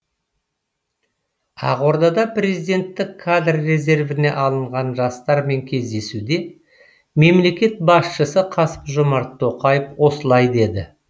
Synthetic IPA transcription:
ɑ̰ʁoɾd̪ɑd̪ɑprʲe̞zid̪e̞nt̪ːɪkʰːad̪rːe̞ze̞rvɪne̞̰ʔɑlˠəɴʁɑnʒɑst̪ɑɾme̞ŋkʲʰe̞zd̪e̞sud̪e̞ | me̞mle̞kʲe̞t̪̚bɑsʃəsəqʰɑsə̥pʒʊmɑɾt̪ʰːo̞qɑjəfwo̞səlˠɑjd̪e̞d̪ɪ

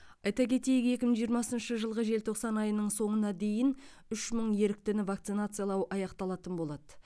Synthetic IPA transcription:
ɑjt̪ɑkʲʰe̞t̪e̞jɪkʲe̞kʲɪməŋʒijəɾmɑsənʃəʒəlˠʁəʒe̞lt̪ʰo̞qsɑnɑjənəɴso̞ɴənɑd̪e̞jɪn | ʏʃməɴje̞ɾɪk̚t̪ɪnɪvakt̪sɨnat̪sɨjalˠɑwʔɑjɑqt̪ɑlˠɑt̪ənbo̞lˠɑd̪ə

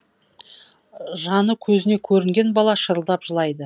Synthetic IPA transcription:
ʒɑnəkʲʰɵzɪne̞kʲʰɵɾɪŋɡʲe̞nbɑlˠɑʃəɾəlˠd̪ɑpʒ̥əlˠɑjd̪ə

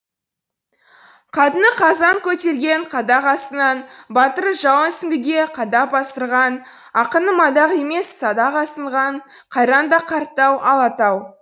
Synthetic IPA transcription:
qʰɑt̪ənəqʰɑzɑŋkʲʰɵt̪e̞ɾɡʲe̞ɴqʰɑd̪ɑqɑst̪ənɑnbɑt̪əɾʒɑwənsɪŋɡʲɪɡʲe̞qʰɑd̪ɑpɑsəɾʁɑn | ɑqənəmɑd̪ɑʁe̞me̞sːɑd̪ɑqɑsəɴʁɑɴ | qʰɑjɾɑnd̪ɑqʰɑɾt̪ːɑwʔɑlˠɑt̪ɑw

